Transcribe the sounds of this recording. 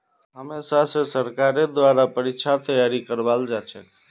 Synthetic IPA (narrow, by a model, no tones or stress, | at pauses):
ɦəmesasẽsəɾkaɾed̪ʋaɾapəɾitːʃʰat̪əjaɾikəɾbald͡ʒat͡ʃʰɛ